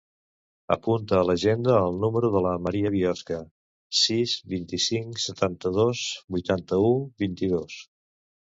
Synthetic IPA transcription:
ə̰punt̪əːləʒend̪əːlˠnuməɾuðələməɾiəβiɔskə | sizβint̪isiŋksət̪ant̪əðosbujt̪ant̪əubint̪iðos

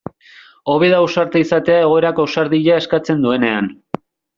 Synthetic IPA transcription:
o̞β̞e̞ðauwsaɾt̪eisat̪e̞ae̞ɣo̞eɾakosaɾðiʎae̞skat͡se̞nd̪ue̞ne̞a̰n

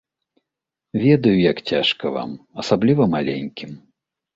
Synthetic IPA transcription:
vʲɛd̪ɐjujakt͡sʲaʂkɐva̰mɐsablʲivɐmalʲɛ̰nʲkʲim

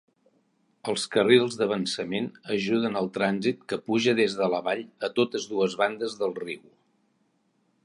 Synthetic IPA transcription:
əlˠskərilˠzðəβ̞ənsəmenəʒuðənəlˠt̪ɾanzit̪̚kəpuʒəðezðələβaʎət̪ot̪əzðuəzβand̪əzðəlˠriw

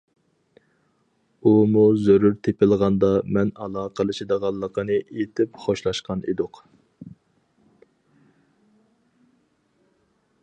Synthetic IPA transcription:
umuzøɾyɾt̪ʰepɪlˠʁɑnd̪ɑmɛnɑlˠɑːqʰəlˠɨʃɪd̪əʁɑlˠːəqʰənɨʔet̪ʰɪpχoʃlˠɑʃqʰɑnḭd̪ʊq

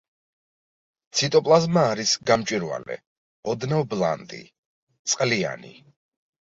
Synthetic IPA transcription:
t̪sʰit̪ʼɔpʼlˠazmaːɾisɡamt͡ʃʼiɾwa̰lɛ̰ | ɔd̪nɛvblˠa̰nt̪ʼḭ | t̪sʼqʼlia̰nḭ

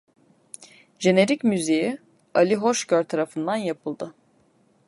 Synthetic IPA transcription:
d͡ʒe̞ne̞ɾicmyzeji | alʲiɦoʃcøɾt̪ʰaɾafɯnd̪anjapʰɯlˠd̪ɯ

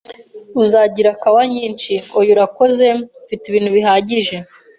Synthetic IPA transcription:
uzaɟiɾakawaɲiːnt͡ʃiojuɾako̞ze̞ufitiβiːn̥huβiɦaɟiʒe̞

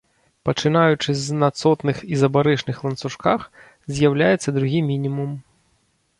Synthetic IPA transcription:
pɐt͡ʂɨnajut͡ʂɨznɐt̪sɔt̪nɨxizɐbaɾɛʂnɨxlˠɐnt̪suʂkax | zʲjawlʲajɛt̪sːɐd̪ɾuɣʲimʲinʲimum

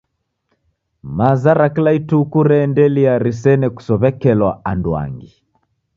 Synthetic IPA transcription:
mazaɾaklaitukuɾɛndɛliaɾis̬ɛnɛku̥sɔβɛkɛlwaandwa̰ŋɡi

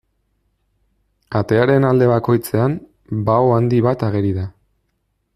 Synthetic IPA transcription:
at̪e̞aɾe̞nald̪e̞βako̞jt͡se̞am | baoand̪iβat̪aɣeɾiða

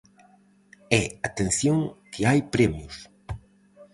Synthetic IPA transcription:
ɛat̪ẽn̟θjoŋkʰɪajpɾɛmjʊs

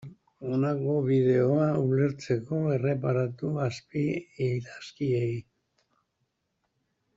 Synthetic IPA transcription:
o̞nako̞βiðe̞o̞aule̞ɾt͡se̞ko̞e̞re̞paɾat̪uaspiejɾaskiej

